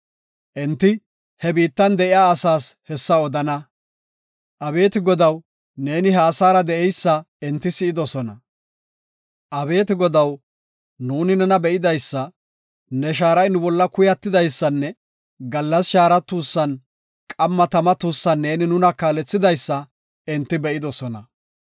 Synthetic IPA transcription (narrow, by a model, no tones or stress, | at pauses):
ʔɛnt̪ːɪ | hɛbiːt̪ːɐnd̪ɛʔɪjaːsaːshɛsːɐɔd̪ɐnɐ | ʔɐbe̞ːt̪ɪɡɔd̪ɐw | ne̞ːnɪɦɛːsaːɾɐd̪ɛʔɛjsːɐ | ɛnt̪ːɪsɪɪd̪ɔsɔnɐ | ʔɐbe̞ːt̪ɪɡɔd̪ɐw | nuːnɪnɛnɐbɛʔɪd̪ɐjsːɐ | nɛʃ̬aːɾɐjnʊbɔlːɐkʊjɐt̪ːɪd̪ɐjsːɐnːɛ | ɡɐlːɐsʃaːɾɐt̪ːuːsːɐn | kʼɐmːɐt̪ɐmɐt̪uːsːɐnːe̞ːnɪnʊnɐkaːlɛt͡sːɪd̪ɐjsːɐ | ɛnt̪ːɪbɛʔɪd̪ɔsɔnɐ̰